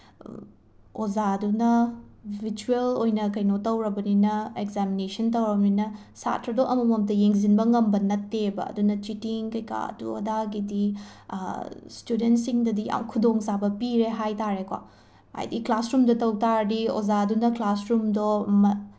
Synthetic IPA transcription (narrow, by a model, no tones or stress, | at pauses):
ozadunɐbʱit͡ʃuelojnɐkɐjnotɐwɾɐbɐninɐekzaminesɐntɐwɾɐbɐninɐ | sa̰tʰɾɐdoʔɐmɐmɐmtɐjeŋzinbɐŋɐmbɐnɐtːebɐ̰ɐ̰dunɐt͡ʃitiŋkɐjka̰ɐ̰tṵɐ̰daɡidi | studentsiŋdɐdiʔa̰wkʰudoŋzabɐpiɾeɦajtaɾekwa̰ | a̰jdiklasɾumdɐtɐwtaɾdio̰zadunɐklasɾumdomɐ